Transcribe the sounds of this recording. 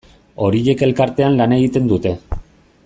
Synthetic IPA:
o̞ɾije̞ke̞lkaɾt̪e̞anlane̞ɣit̪e̞nd̪ut̪e̞

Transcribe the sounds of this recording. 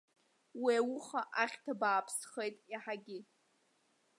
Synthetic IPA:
wiawʊχaʔaχʲtʰabaːpʰsχejtʼiħaɡʲɪ

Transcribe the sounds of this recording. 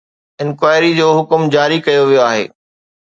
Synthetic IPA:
ɪ̃nkwaːɪɾid͡ʑoːɦʊkmd͡ʑaːɾikɐjoʋijoaːɦḛː

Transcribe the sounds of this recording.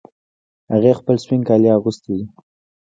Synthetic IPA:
haɣexpəlswɪŋkɑljɑɣust̪id̪i

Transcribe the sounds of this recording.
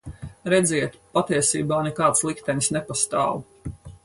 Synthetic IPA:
ɾɛd̪ziɛt̪pat̪iɛsḭːbaːnɛkaːt̪slˠikt̪ɛnʲsnɛpast̪a̰ːw

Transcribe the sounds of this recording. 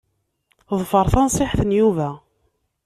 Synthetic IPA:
ðˤfəɾˤθɑnsˤɪħθənjuvæ

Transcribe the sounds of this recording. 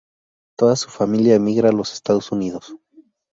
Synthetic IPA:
t̪o̞ðasu̥familjaemiɣɾaːlo̞sest̪að̞osuniðos

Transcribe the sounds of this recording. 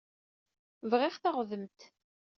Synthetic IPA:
vʁɪʁθaʁəðəmt̪

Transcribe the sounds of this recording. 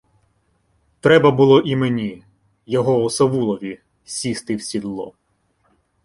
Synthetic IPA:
t̪ɾɛbɐbʊlˠɔʔimenʲi | jɔɦɔɔsɐʋulˠɔʋʲi | sʲist̪ɪwsʲid̪lˠɔ̰

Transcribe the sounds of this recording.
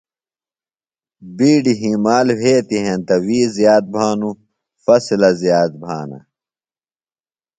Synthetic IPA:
biːɖiɦimaːlheːt̪iɦẽnt̪ɐwiːzjaːt̪̚bʱaːnu | fɐsilɐzjaːt̪̚bʱaːnɐ̰

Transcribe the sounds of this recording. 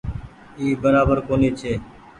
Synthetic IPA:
iːbəɾaːbəɾkoːniːt͡ʃʰeː

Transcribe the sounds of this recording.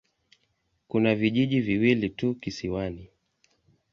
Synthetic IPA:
kunaviʄiʄiviwilitukisiwani

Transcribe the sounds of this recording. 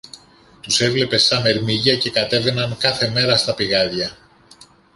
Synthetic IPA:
t̪use̞vle̞pe̞sɐne̞ɾmiʝɐce̞kɐt̪e̞ve̞nɐŋkɐθe̞me̞ɾɐst̪ɐpiɣɐðʝɐ

